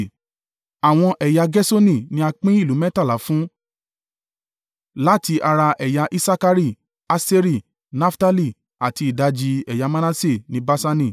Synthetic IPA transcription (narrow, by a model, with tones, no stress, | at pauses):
a˨w̃ɔ̃˧ʔɛ˨ja˧ɡɛ˦so˦nĩ˦˨nĩ˦a˧k͡pĩ˦i˦˨lu˨˦mɛ̃˦ta˦˨la˨˦fũ˦ | la˦˨ti˧ʔa˧ɾa˧ʔɛ˨ja˧ʔi˦sa˦ka˧ɾi˦˨ | a˧se˦ɾi˦˨ | na˦fta˦li˦˨ | a˨ti˧i˨da˧d͡ʒi˧ɛ˨ja˧mã˦nã˦se˦˨nĩ˨˦ba˦sa˧nĩ˦˨